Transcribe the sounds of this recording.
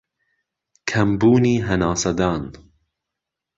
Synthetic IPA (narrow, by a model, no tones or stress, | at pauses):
kʰɐmbuːniːɦɐnɑːsɐd̪ɑːn